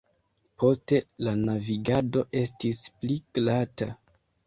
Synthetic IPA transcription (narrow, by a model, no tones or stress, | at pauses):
pʰo̞ste̞lanaviɡado̞ʔe̞stispliɡ̥lata